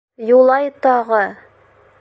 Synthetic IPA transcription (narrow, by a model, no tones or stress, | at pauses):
julˠɑjt̪ɑʁɤ